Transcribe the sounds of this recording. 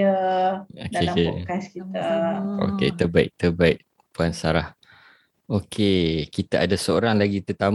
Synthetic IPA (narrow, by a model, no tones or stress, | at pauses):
ə | okekekaskit̪ao̰kḛt̪əbaɪʔ̚t̪əbaɪʔ̚ | puansaɾah | okʰekit̪aadasəoɾaŋlaɡit̪ət̪am